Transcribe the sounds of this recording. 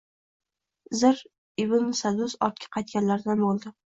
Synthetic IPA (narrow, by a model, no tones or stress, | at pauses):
zɪɾ | ɪbɪnsad̪usɒɾt̪̚kʲʰḁqʰɑjt̪̚kʲanlaɾd̪anbolˠd̪ɪ